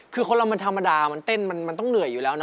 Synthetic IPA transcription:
kʰɯː˧kʰo˧nla˧wma˧nt̪ʰa˧mːa˧daː˧ma˧nt̪e˥˩nma˧nma˧nt̪ɔ˥˩ŋnɯ˨˩˦ɐjuː˨˩lɛː˦˥wna˦˥

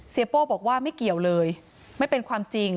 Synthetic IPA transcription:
si˨˦poː˥˩bɔː˨˩k̚waː˥˩ma˥˩jki˨˩əwlɤː˧j | ma˥˩jpe˧nkʰwaː˧mt͡ɕi˧ŋ

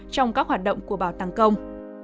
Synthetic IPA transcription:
t͡ɕɔ˧wŋ͡mkaː˦˥k̚hwaː˨˩t̚ɗə̰˧˨wŋ͡mku˧˩əɓaː˧˩wt̪aː˧˩ŋkə˧wŋ͡m

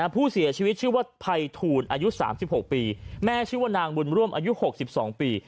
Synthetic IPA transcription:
a˧pʰuː˥˩si˩˦ɐt͡ɕʰi˧wi˦˥t̪̚t͡ɕʰɯ˥˩waː˥˩p̪ʰa˧jt̪ʰuː˧nʔaː˧ju˦˥sa̰ː˩˦msi˨˩p̚ho˨˩k̚piː˧mɛː˦˥t͡ɕʰɯː˥˩waː˥˩naː˧ŋbu˧nɾu˥˩əmʔaː˧ju˦˥ho˨˩k̚si˨˩p̚sɔ̰ː˩˦ŋpiː˧

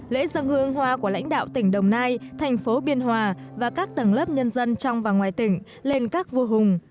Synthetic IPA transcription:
lḛ˧˥zə˧ŋhɨ˧əŋɦwaː˧ku˧˩əla̰˧˥jŋ̟ɗa̰ː˧˨wt̪ï˧˩ŋ̟ɗə˨˩wŋ͡mnaː˧jt̪ʰɛ˨˩jŋ̟fo˨˦ɓi˧ənɦwaː˧˩vaː˨˩kaː˦˥k̚t̪ə˨˩ŋlə˦˥p̚ɲə˧nzə˧nt͡ɕɔ˧wŋ͡mvaː˨˩ŋwaː˨˩jt̪ï˧˩ŋ̟ | le˧nkaː˦˥k̚vu˧ɦʊ˨˩ŋ͡m

